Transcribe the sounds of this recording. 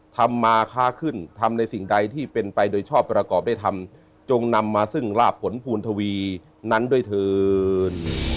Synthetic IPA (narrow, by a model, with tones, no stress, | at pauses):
t̪ʰa˧mːaː˧kʰaː˦˥˩kʰɯ˥˩nt̪ʰa˧mna˧jsi˨˩ŋda˧jt̪ʰiː˥˩pe˧npa˧jdoː˧jt͡ɕʰɔː˥˩pːɾa˧kɔː˨˩p̚da˥˩jt̪ʰa˧m | t͡ɕo˧ŋna˧mːaː˧sɯ˥˩ŋɾaː˥˩pʰːo˩˦npʰuː˧nt̪ʰa˧wiː˧ | na˦˥ndu˥˩əjt̪ʰɤː˧n